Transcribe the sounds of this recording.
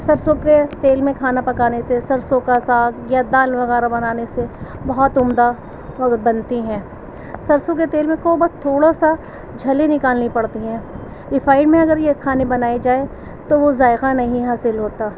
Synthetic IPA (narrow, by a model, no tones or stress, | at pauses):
sɐɾsõket̪eːlmẽkʰaːnapɐkaːnesesɐɾsõkasaːɡjad̪aːlʋɐɣɛːɾabɐnaːnese | bɐɦɔt̪ʊmd̪a | bɐnt̪iɦɛ̃ː | sɐɾsõk̬et̪eːlmẽkoːbɐt̪ʰːoːɽasa | d͡ʒʱɐlenɪkaːlnipɐɽt̪iɦɛ̃ː | ɪfaːɪɖmẽɐɡəɾjekʰaːnebɐnaːid͡ʒaːe | t̪oʋozaːɪqanɐɦĩɦaːsɪlɦoːt̪aː